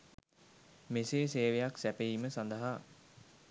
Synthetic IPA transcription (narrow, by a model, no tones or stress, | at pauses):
meseːseːʋejaksæpeiməsand̪əɦa